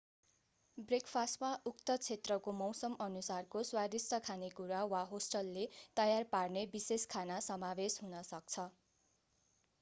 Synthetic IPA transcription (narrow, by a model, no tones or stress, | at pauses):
brekpʰasmaʔukt̪ʌt͡sʰet̪rʌkomʌwsʌmʌnusarkoswad̪isʌkʰanekuɾawaɦosʈʌlːet̪ʌjarparnebiseskʰanasʌmabesɦunʌsʌk̚t͡sʰʌ